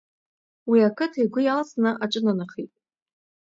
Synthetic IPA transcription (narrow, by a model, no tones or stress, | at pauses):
wiakʰɨtʰajɡʷʊjalsʼnɨʔaʈ͡ʂʼɨnanaχitʼ